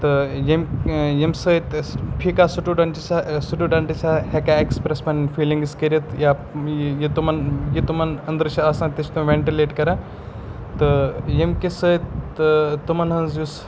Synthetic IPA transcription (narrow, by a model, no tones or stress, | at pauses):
t̪ɨjemjimsəjt̪pʰikasuʈuɖɐɳʈisasuʈuɖɐɳʈisʲahekaekspɾesmɐnfiːliŋɡskəɾiɐt̪jajit̪umɐnjit̪umɐnɐnd̪əɾt͡ʃʰiaːsãːnt̪ɐt͡ʃʰt̪umʋeɳʈileːʈkɐɾã | t̪ɨjimkesəj̪ | t̪umɐnɦɐnzjus